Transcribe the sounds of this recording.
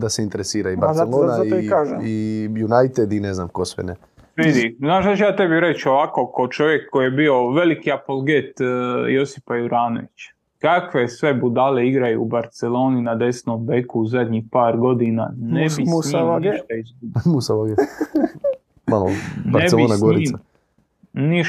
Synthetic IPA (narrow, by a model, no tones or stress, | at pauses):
d̪aseint̪eɾesiːɾaibaɾeloːnaiikaːʒijunajt̪ed̪ineznamkosʋḛne | ʋid̪iznaːʃzat͡ʃjaːt̪e̞biɾe̞t͡ʃo̞ʋako̞kot͡ʃo̞ʋje̞kːoijebio̞ʋe̞likiapolˠɡet̪jo̞si̥pajuɾaːno̰ʋit͡ʃ | kakʋe̞sʋe̞bud̪ale̞iɡɾajṵːbaɾt̪selo̞ːninad̪e̞snombekuuzad̪ʲɲixpaːɾɡo̞d̪ina̰nebiɲiʃt̪aizɡubmusaaɡe | malonbaɾeselioːnaɡɾiːa | ni